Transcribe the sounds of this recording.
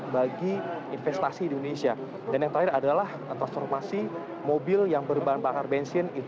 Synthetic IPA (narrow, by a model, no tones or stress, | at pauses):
baɡiinfɛst̪asiːndonesia | danjaŋt̪ɾaɪɾadalah | t̪ɾansfɔrmasi | mobɪljaŋbərbanbakarbɛnsɪnit̪